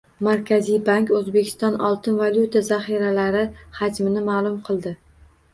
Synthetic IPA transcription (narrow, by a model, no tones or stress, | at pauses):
maɾkʲʰazijbaŋkɵzbekʲʰɪ̥st̪ɒnɒlˠt̪ʰɪnvalʲjut̪ʰazaχiɾalaɾɪhad͡ʒmɪnɪmaːlˠʊmqʰɨlˠd̪ɪ